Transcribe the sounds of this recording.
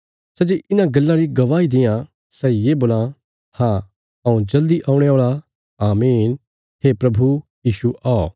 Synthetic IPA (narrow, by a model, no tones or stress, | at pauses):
sɛd͡ʒeːʔɪnãɡɐlːãɾiɡɐʋaːid̪ɪ̃jã | sɛjeːboːlã | hã | ɐũd͡ʒɐld̪iʔãːũɽ̃eaːɭa | aːmiːn | ɦepɾɐbʱujiːʃuʔaɔ